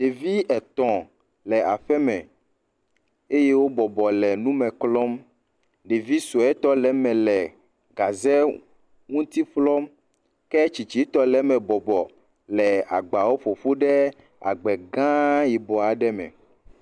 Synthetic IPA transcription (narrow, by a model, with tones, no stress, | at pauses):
ɖe˨vi˦ɛ˨t̪ɔ̃˨ | lɛ˨a˨ɸɛ˦mɛ̃˨ | e˦je˦wo˦bɔ˨bɔ˨lɛ˨nũ˦mɛ̃˨klɔ˦m | ɖe˨vi˦su˨ɛ˦t̪ɔ˦lɛ˨˦mɛ̃˨lɛ˨ | ɡa˨zɛ˦ | ŋũ˦t̪i˦flɔ˦m | kɛ˦t͡ʃi˨t͡ʃi˨˦t̪ɔ˦lɛ˦mɛ̃˨bɔ˨bɔ˨ | lɛ˨a̰˨ɡ͡ba˨wo˦ɸo˨ɸo˦ɖɛ˦ | a̰˨ɡ͡bɛ˨ɡã˦ji˨bɔ˨a˨ɖɛ˦mɛ̰̃˨